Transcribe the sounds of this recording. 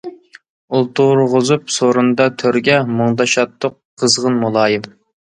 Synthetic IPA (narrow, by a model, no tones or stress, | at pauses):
ulˠt̪ʰuɾʁʊzupsoɾund̪ɑt̪ʰøɾɡʲɛmoŋd̪ɑʃɑt̪ːʊqʰːəzʁənmulˠɑːjɪm